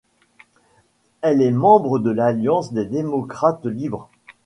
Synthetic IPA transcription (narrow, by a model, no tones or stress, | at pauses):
ɛlɛmɑ̃bʁəd̪əlaljɑ̃sd̪ed̪emɔkχat̪libʁ